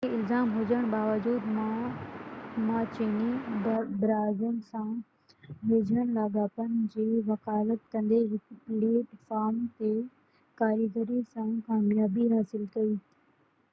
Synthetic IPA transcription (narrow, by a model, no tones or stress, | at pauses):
eɪlzaːmɦʊd͡ʑəɽ̃baːʋəd͡ʑuːd̪mã | mãːt͡ɕeːnibɾaːzʊnsã | ɦɪd͡ʑəɽ̃laːɡaːpənɪ̆d͡ʑiːʋɐkaːɪlət̪̚kɐ̃nd̪eɾɪkpɽeːʈfaːmt̪e | kaːɾiɡəɾisãkaːmjaːbiɦaːsɪlkɐi